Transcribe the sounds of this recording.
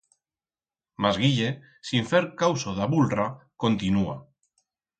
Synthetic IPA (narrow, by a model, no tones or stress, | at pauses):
mazɣiʎe | siɱfeɾkawsoðaβulrakont̪inua̰